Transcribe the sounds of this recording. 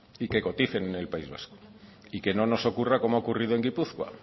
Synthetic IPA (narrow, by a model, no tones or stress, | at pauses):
ike̞ko̞t̪iθe̞nene̞lpaizβa̰sko̥ike̞no̞no̞so̞kurako̞moaokuriðoeŋɡipuθkwa̰